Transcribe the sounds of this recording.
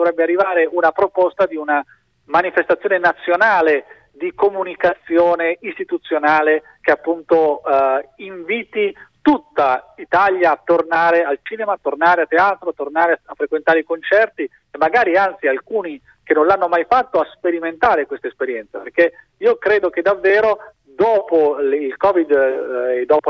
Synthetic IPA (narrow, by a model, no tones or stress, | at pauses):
d̪ovɾɛbːearːivaːɾeʔunapɾopɔst̪ad̪iuna | manifest̪at̪sːjoːnenat̪sːjonaːle | d̪ikomunikat̪sːjoːneist̪it̪ut̪sːjonaːle | k̟eapːunt̪o | iɱviːt̪it̪ut̪ːait̪aljaːt̪ːornaːɾealt͡ʃiːnemaːt̪ːornaːɾeat̪ːeaːt̪ɾoat̪ːornaːɾeafːɾekwent̪aːɾeikont͡ʃɛrt̪i | emːaɡaːɾiant̪sialkuːni | k̟enːõnlanːomajfat̪ːoaspeɾiment̪aːɾekwest̪aespeɾjɛnt̪saperk̟e | iːokɾeːd̪ok̟ed̪avːeːɾo | d̪ɔːpoilkɔːvid̪ed̪ːɔːpo